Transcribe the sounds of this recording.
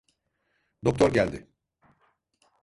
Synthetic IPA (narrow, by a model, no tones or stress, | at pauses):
d̪o̞k̚t̪ʰoɾɟælʲd̪ɪ